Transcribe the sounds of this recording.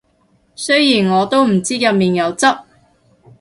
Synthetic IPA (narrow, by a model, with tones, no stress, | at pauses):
sɵ˥jiː˨˩nŋɔː˨˧t̪o˥wm̩˨˩t͡siː˥jɐ˨t̚miː˨njɐ˨˧wt͡sɐ˥p̚